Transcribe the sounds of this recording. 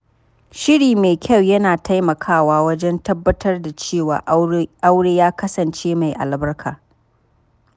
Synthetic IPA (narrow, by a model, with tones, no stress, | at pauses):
ʃɪ˦ɽiː˨me˨kʲɐ˦˨wjɐ˦naː˨tʰa˦jmɐ˨kʰaː˦˨waː˦wɐ˦d͡ʒɛ˦ntɐ˦bːɐ˦tʰɐ˦rda˨t͡ʃeː˦˨wa̰ː˨ʔa˦wɽeː˦jaː˦kɐ˦sɐ˨nt͡ʃeː˦ma˨jʔa̰˨lbɐ˦rkʰaː˨